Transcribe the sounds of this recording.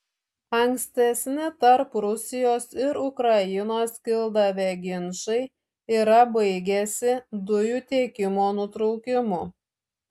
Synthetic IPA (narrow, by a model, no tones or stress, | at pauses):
ɐŋʲksʲt̪ʲɛsʲnʲɪt̪ɐɾpɾʊsʲɪjoːsɪɾʊkɾɐjɪnoːskʲɪlˠd̪ɐʋʲeɡʲɪnʃɐɪ | iːɾɐbɐɪɡʲɛsʲɪd̪ʊjuːt̪ʲeːkʲɪmoːnʊt̪ɾɔʊkʲɪmʊ